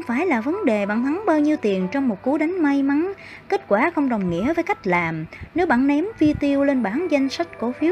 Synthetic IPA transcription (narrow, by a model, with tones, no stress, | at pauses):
xŋ͡mfaː˧˩jlaː˨˩və˨˦nɗe˨˩ɓa̰ː˧˩˨nt̪ʰa˨˦ŋɓaː˧wɲi˧wt̪i˨˩ənt͡ɕɔ˧wŋ͡mmo˨˩t̚ku˨˦ɗa˨˦jŋ̟ma˧jma˨˦n | ke˦˥t̚kwaː˧˩xə˧wŋ͡mɗə˨˩wŋ͡mŋḭ˧˥əvəː˨˦jka˦˥k̟̚laː˨˩mne˨˦wɓa̰ː˧˨nnɛ˨˦mvi˧t̪i˧əwle˧nɓaː˧˩nza˧jŋ̟sa˦˥jk̟̚ko˧˨˦fi˨˦əw̚